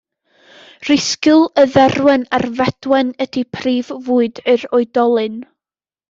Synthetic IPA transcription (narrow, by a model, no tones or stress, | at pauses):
r̥ɪskɨlˠəðɛrwɛnarvɛd̥wɛnədipʰriːvvuːɨdɨɾɔɨdɔlˠɨn